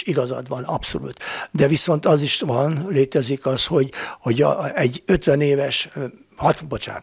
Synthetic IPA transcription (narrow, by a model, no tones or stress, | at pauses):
iɡɒzɒ̰d̪ʋɒnɒpso̞̰lṵt̪d̪ɛviso̞nt̪ɒziʃʋɒnleːt̪ɛzikɒsho̞ɟho̞ɟɛɟːøt̪ʋɛneːvɛʃ | hɒt̪bot͡ʃa̰ː